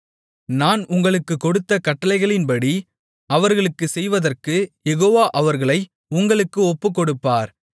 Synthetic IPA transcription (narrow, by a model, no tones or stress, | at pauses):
naːnʊŋɡɐɭɯkːɯkːɔɽɯt̪ːɐkɐʈːɐlɐɪɣɐɭɪnpɐɽi | ɐʋɐɾɣɐɭɯkːɯsɛjʋɐðɐrkɯjɛɣoːʋaːʔɐʋɐɾɣɐɭɐɪ | ʊŋɡɐɭɯkːɯɔpːɯkːɔɽɯpːaːɾ